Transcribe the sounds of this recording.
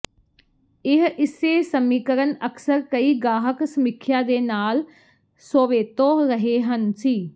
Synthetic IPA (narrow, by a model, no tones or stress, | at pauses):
ɪɦɪseːsəmiːkəɾənəkʰsəɾkəiːɡaːɦəksəmɪkʰjãːd̪eːnaːl | soːʋeːt̪oːɾəɦeːɦənsiː